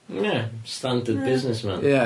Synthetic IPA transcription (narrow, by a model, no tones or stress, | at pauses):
jæstãndəd̚bɪznɨsmæ̰̃njæ